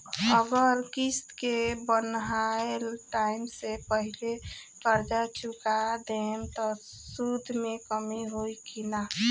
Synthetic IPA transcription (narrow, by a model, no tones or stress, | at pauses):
əɡəɾkist̪kebənɦaelʈaɪmsepəɦile | kəɾd͡ʒat͡ʃʰʊkad̪emt̪ɔ | sud̪ʱmẽkəmiɦoikina